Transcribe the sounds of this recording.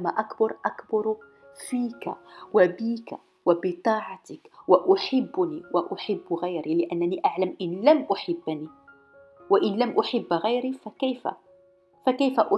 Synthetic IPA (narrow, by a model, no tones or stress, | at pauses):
maʔakbɑɾˤʔakbɑɾˤ | fiːka̰wabiːka | wabɪt̪ˤɑːʕɑt̪əkwaʔʊħabːniwaʔʊħabːɣajɾilɪʔænːæniʔaʕlæmʔɪnlæmʔʊħabːni | waʔɪnlæmʔʊħɪbːɣajɾifækæjfæ̰ | fækæjfaʔʊ